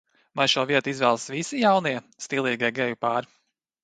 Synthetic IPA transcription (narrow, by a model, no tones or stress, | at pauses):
vajʃuɔviɛt̪izvɛːlˠsvisijawniɛst̪ilˠiːɡaɛɡɛjupaːɾ